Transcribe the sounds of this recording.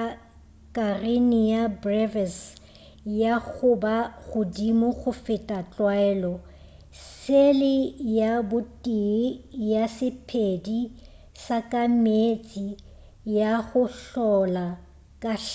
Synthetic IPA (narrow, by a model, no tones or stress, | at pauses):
kʼarɪnɪjabrɛvɛs | jaɣʊbaɣʊdimʊɣʊfɪtʼat͡ɬʼwaɛːlɔ | selɪjabʊtʼijasɪpʰedi | sakʼamet͡sʼi | jaɣʊɬɔla | kʼa